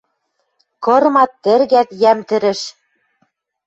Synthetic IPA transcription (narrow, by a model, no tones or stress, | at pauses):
kɤ̆ɾmɑt̪ːɘ̆ɾɣæt̪jæmt̪ɘ̆ɾɘ̆ʃ